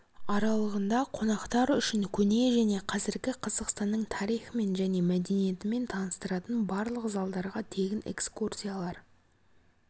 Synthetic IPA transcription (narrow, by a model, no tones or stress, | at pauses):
ɑɾɑlˠəʁənd̪ɑqʰo̞nɑqt̪ɑɾʏʃɪŋkʲʰɵne̞ʒæne̞qʰɑzɪɾɡʲɪqʰɑzəqst̪ɑnːəɴt̪ʰɑɾijχəme̞nʒæne̞mæd̪e̞nije̞t̪ɪme̞nt̪ʰɑnəst̪əɾɑt̪ənbɑɾlˠəqzɑlˠd̪ɑɾʁɑt̪ʰe̞ɡʲɪne̞̰kskursʲijalˠɑɾ